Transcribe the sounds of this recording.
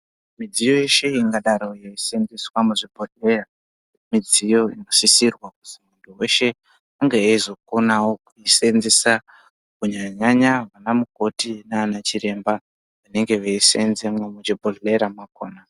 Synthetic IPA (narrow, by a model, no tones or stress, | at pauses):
mid͡zijo̞je̞ʃe̞iŋɡaɗaɾo̞jeisenziswamuʐibʱoɬe̞ra | mid͡zijo̞inɡosisirwakutimunduwe̞ʃe̞ | aŋɡeaizo̞ko̞nawo̞kuisenzisa | kuɲaɲaɲaʋanamuko̞tinaanat͡ʃiɾe̞mba | ʋane̞ŋɡe̞ʋeisenzemwamut͡ʃibʱoɬe̞ɾamwakoːna